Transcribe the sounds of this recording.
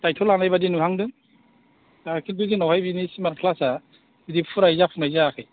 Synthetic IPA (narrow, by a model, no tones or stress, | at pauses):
tajtʰɔlanajbadinuɦaŋdɯŋ | akʰiduɡinɔwhajbinisimaɾpʰlasa | bidipʰuɾajzapʰuŋnajzaːkʰɯj